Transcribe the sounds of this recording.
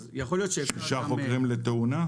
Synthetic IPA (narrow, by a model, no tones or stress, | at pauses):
zjaχoljo̞t̪ʃeʃiʃaχokkʁimlet̪euna